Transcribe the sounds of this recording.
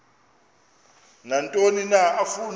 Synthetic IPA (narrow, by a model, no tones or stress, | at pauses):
nantʼoninaafun